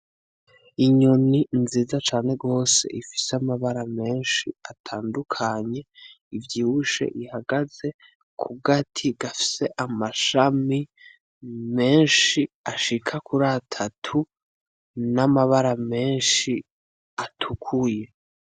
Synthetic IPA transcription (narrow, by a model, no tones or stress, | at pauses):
iɲoninziːzat͡ʃaːne̞ɡo̞se̞̰ʔifi̥seamaβaɾame̞ːnʃiatʰaːndukʰaɲe̞ | ivjiːhuʃe̞̰ʔihaɡaze̞ | kʰuɡatʰiɡafi̥se̞ʔamaʃami | me̞ːnʃiaʃikʰakuɾatʰatʰu | namaβaɾame̞ːnʃi | atʰukʰuje̞